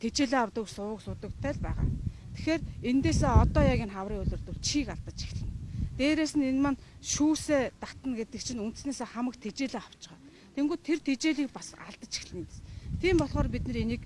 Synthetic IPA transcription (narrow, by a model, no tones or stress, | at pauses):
t̪ʰet͡ɕeːɮeawt̪ə̆ksʊwə̆ksʊt̪ə̆kt̪ʰæːɮpæ̰ːʁa̰ːt̪ʰexeːrent̪eːseːɔt̪ɔːjaɣʲiːnχawriːŋʊɮʲɵ̆rt̪ŭɮt͡ɕʰiːkaɮt̪ə̆t͡ɕi̥xɮɘ̆nt̪eːɾeːsɘ̆nenmanʃuːseːt̪at̪ə̆nɡet̪ɘ̆k̚t͡ɕʰĭnunt̪̆sneːseːχamə̆kt̪ʰet͡ɕeːɮeːχaw̥t͡ɕɪ̆ʁaː | t̪ʰeŋɡuːt̪ʰert̪ʰet͡ɕeːɮiːk̚pasa̰ɮt̪ə̆t͡ɕʰi̥xɮɘ̆nt̪e̥st̪ʰiːmpɔɮχɔːrp̬it̪̚nɘ̆renĭk